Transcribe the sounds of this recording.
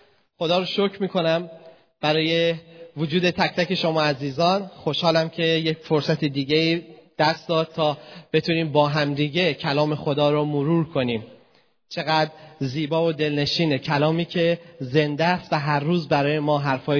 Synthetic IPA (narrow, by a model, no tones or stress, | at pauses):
xo̞d̪ɒːɾoʃocʰmiːkʰo̞næm | b̥æɾɒːje̞vod͡ʒuːd̪e̞t̪ʰæct̪æce̞ʃo̞mɒːæziːzɒːnxo̞ʃhɒːlæmcʰe̞jecfoɾsæt̪ʰid̪iːɟeiːd̪̥æst̪d̪ɒːd̪̥̚t̪ʰɒːb̥e̞t̪ʰuːniːmbɒːɦæmd̪iːɟe̞cʰælɒːme̞xo̞d̪ɒːɾomoɾuːɾkʰo̞niːm | t͡ʃʰe̞ɣæːd̪ɾziːbɒːvod̪e̞lne̞ʃiːne̞cʰælɒːmiːcʰe̞ze̞nd̪æst̪væɦæɾːuːzbæɾɒːjemɒːɦæɾfɒː